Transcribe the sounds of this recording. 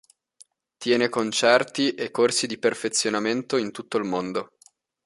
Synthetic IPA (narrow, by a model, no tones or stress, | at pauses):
t̪jɛːnekont͡ʃɛrt̪iʔekːorsid̪iperfet̪sːjonament̪oint̪ut̪ːoilmond̪o